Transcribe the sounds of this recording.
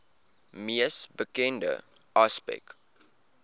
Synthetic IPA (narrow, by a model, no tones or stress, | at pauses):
miəsbəkɛndə̰ | ʔɑspɛ̰k